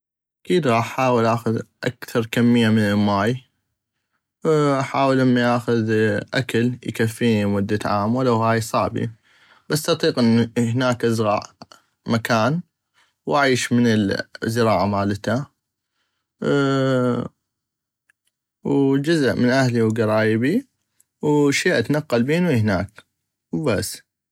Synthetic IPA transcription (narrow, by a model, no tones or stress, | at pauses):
ʔʔakiːd̪ɣɑːʔħaːwəlʔaxʊðʔa̰kθɑɾˤkamːɪjːamɪnɪlmaːj | ʔaħaːwəlːamːajʔaːxʊðʔakaljkafːiːnimʊd̪ːaʕaːmwalawhaːjsˤɑʕbḭ | b̥asːʔɑt̪ˤiːqʔɪnːhnaːkʔazɣɑːʔ | makaːn | wʔaʕiːʃmɪnɪlzɪɾɑːʕamaːlt̪a | wd͡ʒʊzʔmɪnʔahliwɡɑɾˤɑːjbi | wʃiːʔat̪anaqːɑlbiːnwihnaːk | wbasː